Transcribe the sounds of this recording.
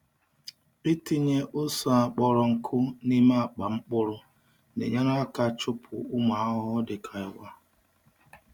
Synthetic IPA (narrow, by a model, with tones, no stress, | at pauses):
i˦ti˦ɲe˦ʔʊ˦sɔ˨a˨k͡pɔ˦ɾɔ˨ŋ̩˨kʰʊ˦ni˦ma˦a˨k͡pa˨ŋ͡m̩˦k͡pʊ˦ɾʊ˦ | nḛ˨ɲa˦na˦a˦ka˦t͡ʃʊ˦pʰʊ̰˨ʊ˦ma˨˦ɦɔ˦dɪ˨kʰa˨ɪ˨wʷa˦